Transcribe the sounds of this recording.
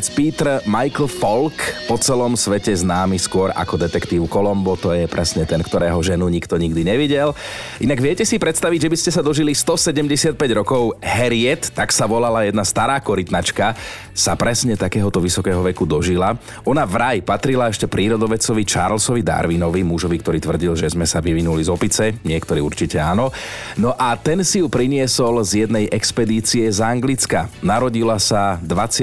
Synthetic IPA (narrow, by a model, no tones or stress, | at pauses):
t͡spiːt̪ɾmajkl̩fɔlkpɔt͡sɛlɔmsʋɛcɛznaːmiskʊɔɾa̰kɔd̪ɛt̪ɛkt̪iːʊkɔlɔmbɔt̪ɔjɛpɾɛsɲɛt̪ɛnkt̪ɔɾɛːɦɔʒɛnuɲikt̪ɔɲiɡd̪iɲɛʋiɟɛl | ʔinaɡʋɪɛcɛsipɾɛt̪st̪aʋiɟʒɛbiscɛsad̪ɔʒilist̪ɔsɛɟɛmɟɛsɪat̪̚pɛɟɾɔkɔʊɦɛɾɪɛt̪ːaksaʋɔlalajɛd̪nast̪aɾaːkɔɾit̪nat͡ʃka | sapɾɛsɲɛt̪akɛːɦɔt̪ɔʋisɔkɛːɦɔʋɛkud̪ɔʒila | ɔnavɾajpat̪ɾilaɛʃcɛpɾʔiːɾɔd̪ɔʋɛt͡sɔʋit͡ʃa̰ɾlsɔʋid̪a̰ɾʋinɔʋimuʒɔʋik̚t̪ɔɾiːt̪ʋr̩ɟilʒɛzmɛsaʋiʋinulizɔpit͡sɛɲɪɛkt̪ɔɾiːuɾt͡ʃicɛaːnɔ | nɔʔat̪ɛnsijupɾiɲɪɛsɔlzjɛd̪nɛjʔɛkspɛd̪iːt͡siɛzaŋɡlit͡skanaɾɔɟilasad̪ʋat͡s